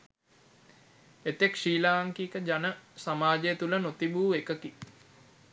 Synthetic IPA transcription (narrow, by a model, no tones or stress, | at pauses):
et̪ekʂiːlaːaŋkiːkəd͡ʒanəsamaːd͡ʒejːt̪ulənot̪ibuːekəki